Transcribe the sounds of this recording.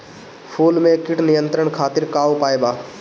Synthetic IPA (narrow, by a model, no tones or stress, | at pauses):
pʰuːlmẽkɪʈnɪjə̃nt̪ɾəɽkʰaːt̪ɪɾkaːwopaːebaː